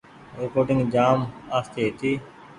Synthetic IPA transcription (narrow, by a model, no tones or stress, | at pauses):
ɾeːkoːɖɪ̃ŋɡd͡ʒaːmaːst̪et̪ʰiː